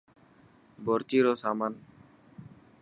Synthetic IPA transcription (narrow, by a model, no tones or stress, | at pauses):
boɾt͡ʃiːɾoːsaːmaːn